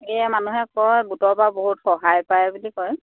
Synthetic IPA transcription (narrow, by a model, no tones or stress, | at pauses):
ɛmanuɦɛkɔjɡutɔɹbaboɦutxɔɦajpajɛbulikɔj